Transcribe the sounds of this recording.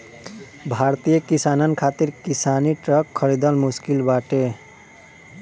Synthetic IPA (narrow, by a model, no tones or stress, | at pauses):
bʱaɾt̪ijəkisanənkʰat̪iɾkisaniʈɾəkʰːəɾid̪əlmuskilbaʈe